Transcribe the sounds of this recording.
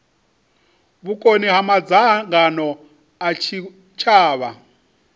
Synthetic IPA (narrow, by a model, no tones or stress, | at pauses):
βukʼoniɦamad͡zaŋɡanɔ | at͡ʃʰi | t͡ʃʰaːβa